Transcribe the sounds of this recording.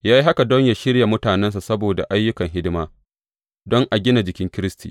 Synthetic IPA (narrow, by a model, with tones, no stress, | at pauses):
jaː˦ji˦ɦa˦ka˨dɔ˦ɲja˨ʃɪ˦ɽja˨mʊ˦taː˨nɛ˦ns̬a˨sɐ˦boː˨da̰˨ʔa˦jːʊ˦kɐ˨ŋɦɪ˦dɪ˦maː˦ | dɔ˦ŋʔa˨ɡʲɪ˦na˨d͡ʒɪ˨kʲɪ˦ŋkʲɪ˦ɾɪ˦stḭː˨